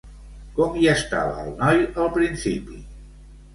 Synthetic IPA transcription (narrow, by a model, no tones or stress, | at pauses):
komiəst̪a̰βəːlˠnɔjəlˠpɾinsipi